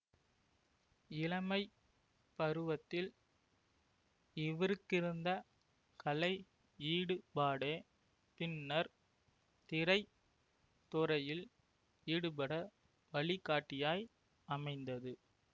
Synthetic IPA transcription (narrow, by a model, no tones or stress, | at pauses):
ɪlɐmɐɪ | pɐɾɯʋɐt̪ːɪl | ɪʋɪɾɯkːɪɾɯnd̪ɐ | kɐlɐɪ | iːɽɯpaːɽeː | pɪnːɐɾ | t̪ɪɾɐɪ | t̪ːɔɾɐjɪl | iːɽɯpɐɽɐ | ʋɐɭɪkːaːʈːɪjaːj | ɐmɐɪnd̪ɐðɯ